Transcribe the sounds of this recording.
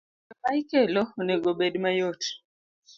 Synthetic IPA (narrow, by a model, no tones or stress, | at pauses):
akaikɛlɔnɛɡoɓeɗmajot